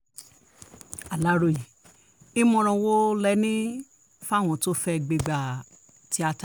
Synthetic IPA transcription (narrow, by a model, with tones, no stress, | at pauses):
a˨la˦ɾo˧˨ji˨ | i˦mɔ̃˧ɾ̃ɔ̃˧wo˦lɛ˦nĩ˦ | fa˦˨w̃ɔ̃˧to˦fɛ˧ɡ͡be˧ɡ͡ba˨ | ti˦a˧ta˨